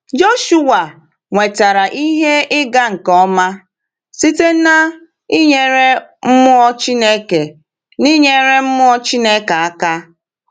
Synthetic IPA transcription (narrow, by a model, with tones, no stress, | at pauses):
d͡ʒo˦ʃu˦wa˨ | ŋʷe˨ta˨ɾa˨ʔi˦ɦe˦ɪ˦ɡa˦ŋ̩˨kɔ˦ma˦ | si˦te˦na˦ | i˦ɲe˨ɾe˦m̩˦mʊ˦ɔ˦t͡ʃi˦ne˦ke˨ | ni˦ɲe˦ɾe˦m̩˦mʊ˦ɔ˦t͡ʃi˦ne˦ka˨a˦ka˦